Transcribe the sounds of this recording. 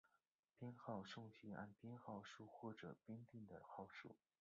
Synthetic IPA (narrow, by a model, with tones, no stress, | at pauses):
pjɛ˥nxɑ˥˧ʊʂʊ˥˧ŋt͡ɕi˥a̰˥˩npjɛ˥nxɑ˥˧ʊʂu˥˧xwɔ˥˩ʈ͡ʂɤ˨˩pjɛ˥nt̪i˥˩ŋd̪ə˩xɑ˥˩ʊʂṵ˥˩